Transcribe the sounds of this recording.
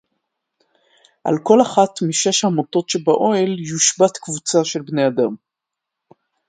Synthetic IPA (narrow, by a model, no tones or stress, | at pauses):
ʔa̰lko̞laχatmiʃe̞ʃhamoto̞tʃebaʔo̞eljuʃbatkvut͡saʃe̞lbne̞ad̪am